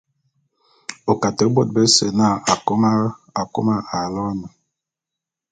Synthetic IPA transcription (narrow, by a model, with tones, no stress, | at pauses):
o˨ka˨te˨˦bo˦˨t̚be˦se˨na˦˨a˨ko˦ma˦ | a˨ko̰˦ma˦ʔa˨lɔ˦mə˨